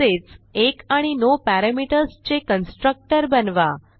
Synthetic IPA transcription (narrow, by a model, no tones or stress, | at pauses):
et͡sekaɽ̃inopaɾamiʈəɾst͡ʃekənsʈɾək̚ʈəɾbənʋa